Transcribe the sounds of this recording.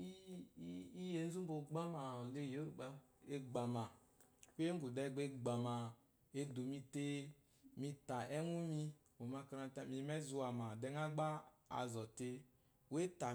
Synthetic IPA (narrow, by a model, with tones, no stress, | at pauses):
i˦ | i˦je˨n̩˦zu˦m˦bo˨ɡ͡ba˦ma˨le˦˨jo˦˨e˦ɡ͡ba˨ma˨ | we˦ɡu˨dɛ˦˨ɡ͡be˦ɡ͡ba˨ma˨ | e˦do˨mi˧te˦ | mi˧ta˨ʔɛ˦nu˦mi˧ | wo˨ma˧ka˨˦ɾa˨ta˨mi˨˦mɛ˦zu˦a˨ma˨dɛ˨ŋa˦ɡ͡ba˦a̰˨zɔ˨te˦ | we˦ta˨